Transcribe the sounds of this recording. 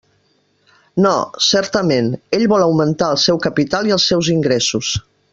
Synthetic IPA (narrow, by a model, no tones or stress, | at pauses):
nɔsɛɾt̪əmeneʎβɔləwmənt̪aəlˠsɛwkəpit̪aliəlˠsːɛwziŋɡɾesus